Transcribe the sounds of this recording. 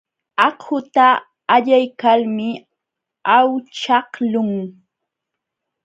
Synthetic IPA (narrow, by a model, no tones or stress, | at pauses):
ɑhhʊt̪aː | ʎajkalmɪ | awt͡ʃɑhlʊŋ